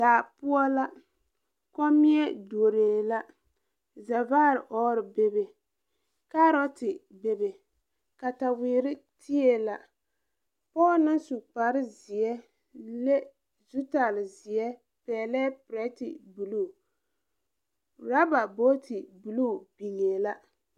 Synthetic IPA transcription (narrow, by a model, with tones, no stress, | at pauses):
d̥aː˨pu˦ɔ˦la˦ | kɔ˦mi˦ɛ˦du˨o˨ɾe˨la˦ | zɛ˨vaː˦˨ɾʔɔ˦ɾɪ˨be˦be˨ | ka˦ɾɔ˦tɪ˨ | be˨be˨ | ka˨ta˨wiː˨ɾɪ˦ti˦ɛ˦la˦ | pɔː˦lnɨ˦nsu˨k͡pa˨ɾɪ˦zɪ˨ɛ˦ | le˦ | zu˦ta˨lɪ˨zɪ˨ɛ˦ | pɛː˨lɛː˦pɾɛ˦tɪ̰˨bu˨luː˦˨ | ɾa˦ba˨bo˦tʰi˨bu˨lu˦˨bi˨ŋe˨la˦